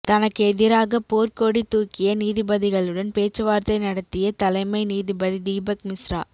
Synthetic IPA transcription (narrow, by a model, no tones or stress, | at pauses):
t̪ɐnɐkːɯɛðɪɾaːɣɐpoːrkoːɽit̪ːuːkɪjɐniːðɪbɐðɪɣɐɭɯɽɐnpeːt͡ʃːɯʋaːɾt̪ɐɪnɐɽɐt̪ːɪjɐt̪ɐlɐɪmɐɪniːðɪbɐðid̪iːbɐk̚mɪsɾa̰ː